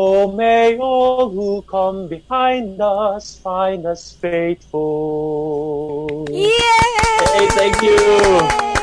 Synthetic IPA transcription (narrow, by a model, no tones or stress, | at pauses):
omeɔllˠhukʰʌ̃mbihãɪ̃ndʌsfãɪ̃ndʌsfeɪtfəl | eθæ̃ŋkju